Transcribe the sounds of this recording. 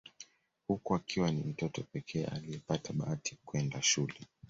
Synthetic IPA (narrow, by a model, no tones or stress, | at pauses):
hukuakiwanim̩tɔtɔpɛkʰɛːʔa̰liɛpataɓaati̥kuɛndaʃulɛ